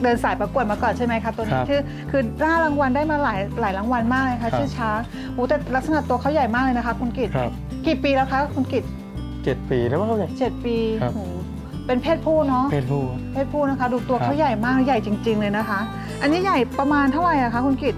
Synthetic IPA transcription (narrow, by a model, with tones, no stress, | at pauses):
dɤː˧nsaː˨˩˦jpa˧ku˨˩ət̪̚maː˧kɔː˨˩nt͡ɕʰa˥˩jma˦˥jkʰa˦˥t̪u˧n˦˧t͡ɕʰɯː˥˩ | kʰɯː˧laː˥˩la˧˥ŋwa˧ndaː˥˩jmaː˧laː˨˩˦jlaː˩˦jla˧˥ŋwa˧nmaː˥˩k̚lːkʰa˦˥t͡ɕʰɯː˥˩t͡ɕʰaː˦˥ | huː˩˦t̪ɛː˨˩la˦˥k̚sa˧na˨˩t̪ːu˧ɐkʰa˥˩wja˨˩jmaː˥˩k̚lːjna˦˥kʰa˦˥kʰu˧nki˨˩t̪̚ʰ | ki˨˩piː˧lɛ˦˥wkʰa˦˥kʰu˧nki˨˩t̪̚ | t͡ɕe˨˩t̪̚piː˧a˦˥˩t͡ɕe˨˩t̪̚piː˧huː˨˩ | pe˧npʰeː˥˩t̪̚pʰuː˥˩t̪̚nɔ˦˥ʔʰ | pʰeː˥˩t̪̚pʰuː˥˩t̪na˦˥kʰa˦˥du˨˧˩t̪u˧ɐkʰa˦˥˩wja˨˩jmaː˥˩kja˨˩jt͡ɕi˧ŋt͡ɕi˧ŋlɤː˧jna˦˥kʰa˦˥ʔ | ʔa˧nːiː˦˥ja˨˩jpɾa˧maː˧nt̪ʰa˥˩ɾa˨˩jʔa˨˩kʰa˦˥kʰu˧nki˨˩t̪̚